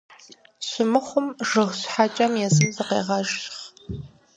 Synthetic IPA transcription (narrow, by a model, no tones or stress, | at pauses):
ɕʷʊmɨχʷʊmʒɨʁʷɕʷħat͡ʃʼɐmjɛzɨmzɨqḛːʁɐʒχ